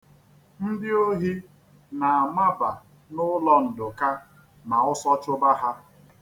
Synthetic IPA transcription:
n̩˦dɪ˦o˦ɦi˦ | na˨a˨ma˦ba˨ | nʊ˦lɔ˦n̩˨dʊ˨ka˦ | ma˨ʊ˦sɔ˦t͡ʃʊ˦ba˦ɦa˦

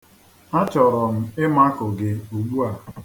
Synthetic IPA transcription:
a˦t͡ʃɔ˨ɾɔ˨m̩˦ɪ˦ma˦kʊ˨ɡɪ˨u˨ɡ͡bu˦a˨

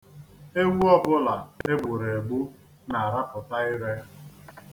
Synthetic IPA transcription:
e˦wu˦ɔ˦bʊ˦la˨e˦ɡ͡bʊ˨ɾe˨ɡ͡bu˦ | na˨a˨ɾa˦pʊ˨ta˦ɪ˦ɾe˦

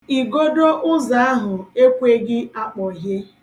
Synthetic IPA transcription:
i˨ɡo˦do˦ʔʊ˦za˨a˦ɦʊ˨e˦kʷe˦ɡɪ˦a˦k͡pɔ˨ɦe˦

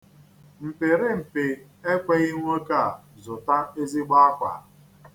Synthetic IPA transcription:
m̩˨pe˨ɾɪ˦m̩˨pɪ˨ | e˦kʷe˦ɣi˦ŋʷ˦o˦ka˦˨a˨ | zʊ˨ta˦e˦zi˦ɡ͡ba˦a˦kʷa̰˨

